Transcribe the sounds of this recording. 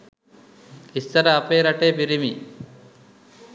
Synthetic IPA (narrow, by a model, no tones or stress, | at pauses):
ist̪ɐɾɐːpeːɾɐʈeːpiɾimi